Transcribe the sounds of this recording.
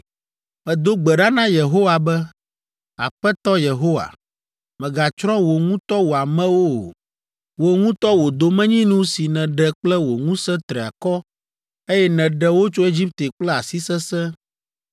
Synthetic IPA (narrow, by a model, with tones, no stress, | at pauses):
mɛ̃˨d̪o˦ɡ͡bɛ˨ɖa˦nã˦je˨ɦo˦wa˨bɛ˦ | a̰˨ɸɛ˦t̪ɔ˦je˨ɦo˦wa̰˨ | mɛ̃˨ɡa˨t͡ʃɾɔ̃˦wo˨ŋũ˦t̪ɔ˦wo˨a˨mɛ̃˦wo˦˨ | wo˨ŋũ˦t̪ɔ˦wo˨d̪o˨mɛ̃˦ɲĩ˦nũ˦si˨nɛ̃˨ɖɛ˨k͡plɛ˦wo˨ŋũ˦sɛ̃˦t̪ɾɛ˨a̰˨kɔ˦ | e˦jɛ˦nɛ̃˨ɖɛ˦wo˦t͡ʃo˦e˦d͡ʑi˦p̚t̪e˨k͡plɛ˦a˨si˦sɛ˦sɛ̃˦